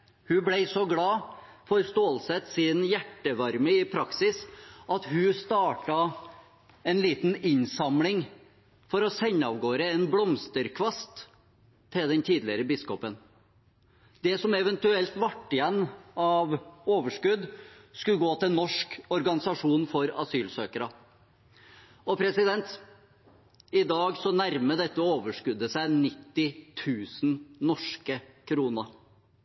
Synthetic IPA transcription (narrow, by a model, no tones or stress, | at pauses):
hʉblæɪsɔɡlɑːfɔɾst̪oːlsɛt̪sɪnjæʈːəʋɑɾməɪpʰɾɑksɪsɑt̪hʉst̪ɑːʈɑ | ɛnliːt̪n̩ɪɲsɑmlɪŋ | fɔɾɔsɛɲːɑʋɡoːɾəɛnblɔmst̪əɾkʰʋɑst̪ʰː | ɪld̪ɛnt̪ʰiːd̪lɪɾəbɪskɔpən | d̪ɛsɔmɛʋɛnt̪ʉɛlt̪ʋɑʈːɪjɛnːɑʋoːʋəʂkʉd̪skʉɡoːt̪ɪlnːɔʂkɔɾɡɑnɪsɑʂuːnfɔɾɑ̰syːlsøːkəɾə | ɔpʰɾɛsɪd̪ɛnt̪ | ɪd̪ɑːɡsɔnæɾməd̪ɛt̪ːəɔoːʋəʂkʉd̪ːəsæɪnɪt̪ːɪt̪ʰʉːsn̩nɔʂkəkʰɾuːnəɾ